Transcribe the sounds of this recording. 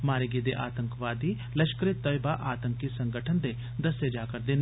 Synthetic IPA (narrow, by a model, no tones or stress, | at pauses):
maːɾeɡed̪ḛʔa̰ːt̪ə̃ŋkʋaːd̪i | lɐʃkəɾet̪ɔjbaʔaːt̪ə̃ŋkisɐ̃ŋɡəʈʰənd̪e | d̪ɐsed͡ʒaːkəɾd̪en